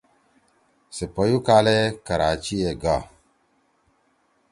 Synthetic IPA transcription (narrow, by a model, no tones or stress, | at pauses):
sepɔjukalekaɾat͡ʃieɡa